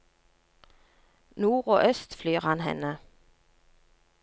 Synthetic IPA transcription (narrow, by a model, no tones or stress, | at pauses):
nuːʁoːʔœst̪flyːʁhɑnhɛ̰nə